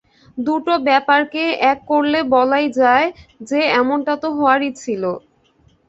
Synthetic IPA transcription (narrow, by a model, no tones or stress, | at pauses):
d̪uʈobɛpaɾkeɛkːoɾlebɔlajd͡ʑaed͡ʑeɛmonʈat̪oɦɔoaɾit͡ɕʰilo